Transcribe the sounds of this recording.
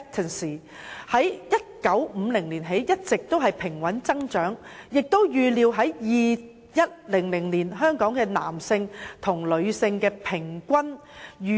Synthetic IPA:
t̪ʰə˨nsiː˨˩ | hɐ˨˥jjɐ˥t̚kɐ˨˥wm̩˨˧lɪ˨˩ŋliː˨˩nɦe˨˥jjɐ˥t̚t͡sɪ˨k̚t̪o˥wɦɐ˨jpʰɪ˨˩ŋwɐ˨˥nt͡sɐ˥ŋt͡ʃœː˨˥ŋjɪ˨k̚t̪o˥wjyː˨˧liː˧wɦɐ˨˥jjiː˨ | jɐ˥t̚lɪ˨˩ŋlɪ˨˩ŋliː˨˩nɦœː˥ŋkɔː˨˥ŋkɛː˧na̰ː˨˩msɪ˧ŋt̪ʰʊ˨˩ŋlɵ˨˧ɥsɪ˧ŋkɛː˧pʰɪ˨˩ŋkʷɐ˥njyː˨

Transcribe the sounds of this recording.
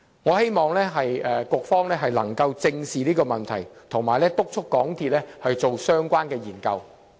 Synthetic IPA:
ŋɔː˨˧he˥jmɔː˨ŋlɛː˥ɦɐ˨jɛ˨˧kʷʊː˧k̚fɔː˥ŋlɛː˥ɦɐ˨jlɐ˨˩ŋkɐ˧wt͡sɪ˧ŋsiː˨˩niː˥kɔː˧mɐ˨˩nt̪ʰɐ̰˨˩jt̪ʰʊ˨˩ŋmaː˨˩jlɛː˥t̪ʊ˥k̚t͡ʃʰʊ˥kːɔː˨˥ŋt̪ʰiː˧t̚lɛ˥hɐ˨jt͡so˨wsœː˥ŋkʷwaː˥nkɛː˧jiː˨˩nkɐ˧w

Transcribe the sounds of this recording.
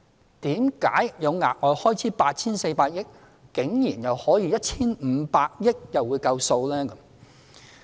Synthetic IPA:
t̪iː˨˥mka̰ː˨˥jjɐ˨˧wŋa̰ː˨˩k̚ŋɔː˨˧jhɔː˥jt͡sʰiː˨˥paː˧t̚t͡sʰiː˥nse˧jpaː˧t̚jɪ˥k̚ː | ɪ˨˥ŋjiː˨˩njɐ˨whɔː˨˥jiː˧jɐ˥t̚t͡sʰiː˥nm̩ː˨˧paː˧k̚jɪ˥k̚jɐ˨wːu˨˧jkɐ˧wso˧wlɛː˥kɐ˨˦m

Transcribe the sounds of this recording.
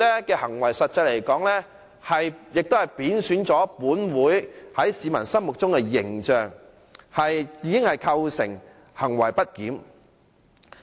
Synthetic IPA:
lɛ˥kɛː˧hɐ˨˩ŋwɐ˨˩jsɐ˨t̚t͡sːɐ˧le˨˩jkɔː˨˥ŋlɛ˥ | hɐ˨jjɪ˨k̚t̪o˥whɐ˨˩jpiː˨˥nsyː˨˥nt͡sɔː˨˥puː˨˥nwuː˨˥jhɐ˨˥jsiː˨˧mɐ˨˩nsɐ˥mʊ˨k̚t͡sʊ˥ŋkɛː˧jɪ˨˩ŋt͡ʃœː˨ŋ | hɐ˨jjiː˨˥kɪ˥ŋhɐ˨jkʰɐ˧wsɪ˨˩ŋ | hɐ˨˩ŋwɐ˨˩jpɐ˥t̚kiː˨˥m

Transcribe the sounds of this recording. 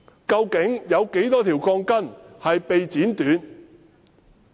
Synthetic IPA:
kɐ˧wkɪ˨˥ŋjɐ˨˧wke˨˥jt̪ɔː˥t̪ʰiː˨˩wkʰɔː˧ŋkɐ˥nhɐ˨jpe˨jt͡siː˨˥nt̪yː˨˥n

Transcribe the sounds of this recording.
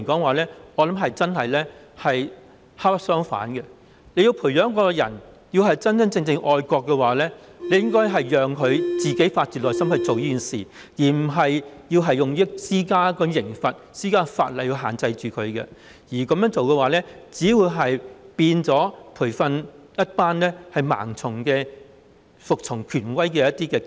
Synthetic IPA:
kɔː˨˥ŋwaː˨˩lɛː˥ɔː˨˧lɐ˨˥mɦɐ˨jt͡sɐ˥nhɐ˨jlɛː˥ | hɐ˨j | haː˥pɐ˥sœː˥ŋfa̰ː˨˥nkɛ˧ | le˨˧jiː˧wpʰuː˨˩jœː˨˥ŋkɔː˧jɐ̰˨˩n | jiː˧wɦɐ˨jt͡sɐ˥nt͡sɐ˥ŋt͡sɪ˧ŋt͡sɪ˧ŋʔɔː˨˧jkʷɔː˧kːɛ˧waː˨lɛː˥ | ne˨˧jɪ˥ŋkɔː˥jɦɐ˨jjœː˨ŋkʰɵ˨˧ɥt͡siː˨ke˨˥jfaː˧t̚t͡siː˨lɔː˨jsɐ˥mhɵ˧ɥt͡so˨wjiː˥kiː˨nsḭː˨˩ | jiː˨˩m̩˨˩ɦɐ˨jjiː˧wɦɐ˨jʊ˨ŋiː˥siː˥kaː˥kɔː˧jɪ˨˩ŋfɐ˨t̚siː˥kaː˥faː˧t̚lɐ˨ji˧wɦaː˨nt͡sɐ˧jt͡ʃyː˨˩kʰɵ˨˧ɥkɛ̰˧ | jiː˨˩kɐ˨˧mjœː˨˥ŋt͡so˨wkɛ˧waː˨˩lɛː˥t͡siː˨˥wuː˨˧jɦɐ˨jpiː˧nt͡sɔː˨˥pʰuː˨˩jfɐ˧njɐ˥t̚paː˥nlɛː˥hɐ˨jma̰ː˨˩ŋt͡sʰʊ˨˩ŋkɛː˧ | fʊ˨k̚t͡sʰʊ˨˩ŋkʰyː˨˩nwɐ˥jkɛː˧jɐ˥t̚t̪iː˥kɛː˧

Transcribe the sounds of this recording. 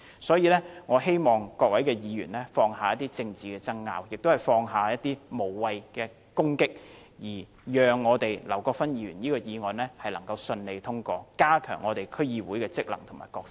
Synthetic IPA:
sɔː˨˥jiː˨˧lɛː˥ŋɔː˨˧ɦe˥jmɔː˨ŋkɔː˧k̚wɐ˨˥jkɛː˧jiː˨˧ɥyː˨˩nlɛː˥fɔː˧ŋɦaː˨jɐ˥t̪̚iː˥t͡sɪ˧ŋt͡siː˨kɛː˧t͡sɐ˥ŋːa̰ː˧wjɪ˨k̚t̪o˥whɐ˨˩jfɔː˧ŋɦaː˨jɐ˥t̪̚t̪iː˥mo˨˩wwɐ˨jkɛː˧ | kʊ˥ŋkɪ˥k̚ | jiː˨˩ | jœː˨ŋːɔː˨˧t̪e˨jlɐ˨˩wkɔː˧fɐ˥njiː˧ɥyː˨˩niː˥kɔː˧jiː˨˧ŋɔː˨nlɛː˥hɐ˨jlɐ˨˩ŋkɐ˧wsɵ˧nle˨˧jt̪ʰʊ˥ŋkɔː˧kaː˥kʰœ̰ː˨˩ŋːɔː˨˧t̪e˨jkʰɵ˥ɥjiː˨˧wuː˨˥jkɛː˧t͡sɪ˥k̚lɐ˨˩ŋt̪ʰʊ˨˩ŋma̰ː˨˩jkɔː˧ksɪ˥

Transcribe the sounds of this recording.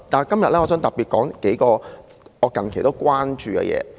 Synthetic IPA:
t̪aː˨˩kɐ˥mjɐ˨t̚lɛː˥ŋɔː˨˧sœː˨˥ŋt̪ɐ˨˩piː˨˩t̚kɔː˨˥ŋke˨˥jkɔː˧ɔː˨˧kɐ˨nkʰjt̪wkʷwaː˥nt͡ʃyː˧kɛ̰˧jɛ̰ː˨˧

